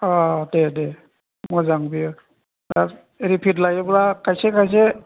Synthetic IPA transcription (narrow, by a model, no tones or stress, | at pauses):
ɔdede | mɔzaŋbijɯ | daɾ | eɾipʰit̬lajebɾakʰajsekʰajs̬e